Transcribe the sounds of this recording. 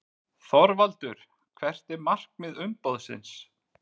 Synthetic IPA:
θɔɾvalt̪ʏɾ̥ | kʰvɛr̥t̪ɪmar̥kmɪðʏmpowðsɪ̰ns

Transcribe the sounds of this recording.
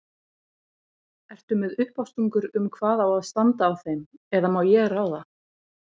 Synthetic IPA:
ɛr̥t̪ʏmɛðʏhpawst̪uŋkʏɾʏmkʰvaːðawaðst̪ant̪aːwθejmɛðamawjɛɣraːwða

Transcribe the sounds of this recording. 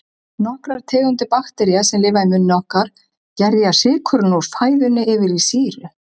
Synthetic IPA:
nɔhkɾaɾ̥t̪ʰɛːɣʏnt̪ɪpaxt̪ɛɾiasɛmlɪːvaɪmʏnːɔhkaɾ̥ | cɛɾjasɪːkʰœɾʏnɔwɾ̥faːjðʏnːɪɪvɪɾisiːɾʏ

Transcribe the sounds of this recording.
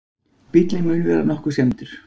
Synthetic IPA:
pɪt̪lɪmʏːnʏvɛːɾa̰nɔhkʏɾ̥sjɛmt̪ʏɾ̥

